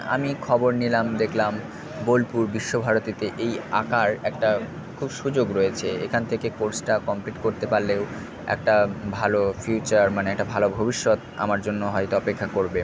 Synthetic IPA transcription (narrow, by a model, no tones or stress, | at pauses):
a̰mikʰɔboɾnilamd̪ekʰlam | bolpuɾbiʃːobʱaɾot̪it̪eʔeja̰kaɾɛk̚ʈa | kʰubʃud͡ʑoɡɾoet͡ɕʰeḛkʰant̪ʰekekoɾsʈakɔmpliʈkoɾt̪epaɾleo | ɛ̰k̚ʈabʱalofjut͡ɕaɾmaneɛk̚ʈabʱalobʱobiʃːot̪a̰maɾd͡ʑonːoɦɔjt̪oɔpekʰːakoɾbe